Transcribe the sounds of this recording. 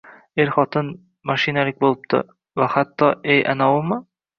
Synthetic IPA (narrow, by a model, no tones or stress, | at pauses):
eɾχɒt̪ɤn | maʃinalɪk̚ʲbolˠp̚t̪ʰɪ̰ | vahat̪ːɒejʔa̰nawʊmɤ